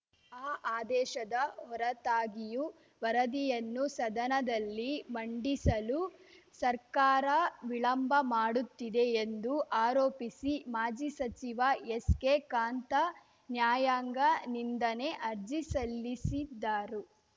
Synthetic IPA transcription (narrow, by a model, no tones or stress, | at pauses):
aːʔaːd̪ɛːʃɐd̪ɐɦɔɾɐt̪aːɡiju | ʋɐɾɐd̪ijɐnːusɐd̪ɐnɐd̪ɐlːimɐɳɖisɐlusɐɾkaːɾɐʋiɭɐmbʱɐmaːɽut̪ːid̪e̞ːnd̪uʔaːɾoːpisimaːd͡ʒisɐt͡ʃiʋɐeskekaːnt̪ɐ | njaːjaːŋɡɐnind̪ɐne̞ʔɐɾd͡ʒisɐlːisid̪ːaːɾu